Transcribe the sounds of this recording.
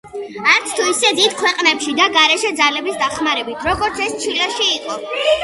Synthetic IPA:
aɾt̪sʰt̪ʰuisɛd̪id̪kʰwɛqʼnɛpʃid̪aɡaɾɛʃɛd̪zalɛbisd̪aχmaɾɛbit̪ʰɾɔɡɔɾt̪sʰɛst͡ʃʰilɛʃiːqʼɔ

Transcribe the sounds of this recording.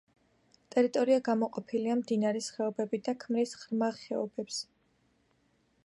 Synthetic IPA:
t̪ʼɛɾit̪ʼɔɾiaɡamɔqʼɔpʰiliamd̪inaɾɛsχɛɔbɛbid̪akʰmɾisχɾmaχɛɔbɛps

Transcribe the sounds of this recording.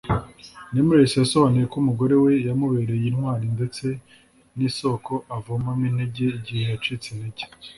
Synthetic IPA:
nemuɾesijaso̞βanijekomuɡo̞ɾe̞we̞jamuβeːɾe̞jinhwaːɾinde̞t͡se̞ | niso̞ko̞ʔavomamineɟeiɟihejat͡ʃit͡seneɟe̥

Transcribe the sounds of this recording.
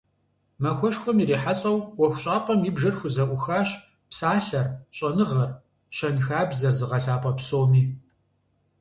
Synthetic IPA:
mɐxʷɔʂxʷɔmiɾiːħaɕʼɐwwɔxʷɕʼaːpʼɐmjɪbʒɐrxʷʊzɐʔʷʊxaːɕ | psaːɬɐrɕʼɐnɨʁɐr | ɕɐnxaːbzɐrzɨʁɐɬaːpʼɐpsoːmiː

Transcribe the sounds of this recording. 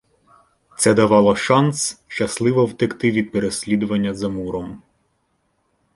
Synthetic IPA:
t̪sɛd̪ɐʋɑlˠɔʃɑnsʃt͡ʃɐslˠɪʋɔwt̪ɪkt̪ɪʋʲid̪̚peɾesʲlʲid̪ʊʋɐnʲːɐzɐmuɾɔm

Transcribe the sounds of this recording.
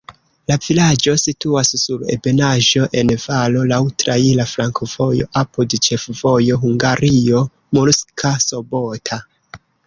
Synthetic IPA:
lavilad͡ʒo̞situasːuɾḛbe̞naʒo̞ʔe̞nvalo̞lawtɾailafɾaŋkov̥o̞jo̞̰ʔapudt͡ʃe̞fv̥o̞jo̞ɦuŋɡaɾio̞ | molskʰaso̞bo̞tʰa

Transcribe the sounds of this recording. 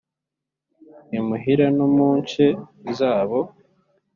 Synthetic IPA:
imuɦiɾanomuːɲt͡ʃezaːβo

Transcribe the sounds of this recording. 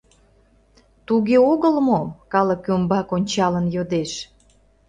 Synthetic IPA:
t̪uɣeoɣəlmokɑləkːymbɑkonʲt͡ɕɑlənjod̪eʃ

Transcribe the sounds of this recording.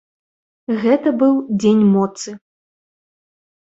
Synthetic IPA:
ɣɛt̪ɐbɨwd͡zʲenʲmɔt̪sɨ

